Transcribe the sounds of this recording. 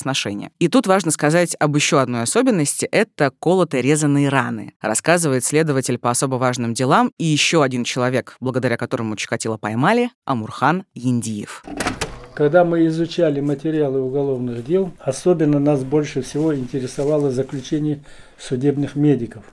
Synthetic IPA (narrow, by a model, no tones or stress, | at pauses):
snɐʂɛnʲɪ̰jə̰it̪ut̪vaʐnəskɐzatʲɐbjɪɕːo̞ɐd̪no̞jɐso̞bʲɪnːəsʲtʲɪʔɛt̪əko̞lˠət̪əɾʲe̞zənːɨjɾanɨ̰rɐ̰skazɨvəjɪt̪sʲlʲe̞d̪əvətʲɪlʲpəɐso̞bəvaʐnɨmdʲɪlˠamijɪɕːo̞ɐdʲint͡ɕɪlˠɐvʲe̞kblˠəɡəd̪ɐɾʲakɐt̪o̞ɾəmʊt͡ɕɪ̥kɐtʲilˠəpɐjmalʲɪɐ̰mʊrxanjɪnʲdʲijɪ̰f | kɐɡd̪amɨɪzʊt͡ɕælʲɪmətʲɪɾʲɪalˠɨʊɡɐlˠo̞vnɨɣdʲe̞lˠɐsobʲɪnːənas̬bo̞lʲʂɨfsʲɪvo̞ɪnʲtʲɪɾʲɪsɐvalˠəzəklʲʉt͡ɕenʲɪj | fsʊdʲe̞bnɨxmʲedʲɪkəf